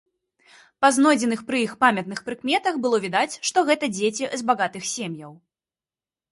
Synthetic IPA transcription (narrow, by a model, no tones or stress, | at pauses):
paznɔd͡zʲɛnɨxpɾɨixpamʲɐt̪̚nɨxpɾɨkmʲɛt̪ɐxbɨlˠɔvʲid̪at͡sʲʂt̪ɔɣɛt̪ɐd͡zʲet͡sʲɛzbaɣat̪ɨxsʲemʲjɐw